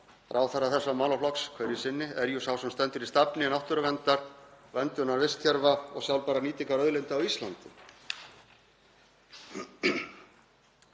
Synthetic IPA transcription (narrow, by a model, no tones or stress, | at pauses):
ɾʔawθaɾːaθɛsːamaːwlaflɔkskʰvœɾjɪsɪnːɪɛɾjusawsɛmst̪ɛnt̪ʏɾist̪apnɪnawht̪ʏɾʏvɛnt̪aɾ̥vɛnt̪ʏnaɾvɪst̪çɛɾvaɔ̰ɣsjawlpaːɾaniːt̪iŋkaɾœðlɪnt̪ɪawist̪lant̪ɪ̰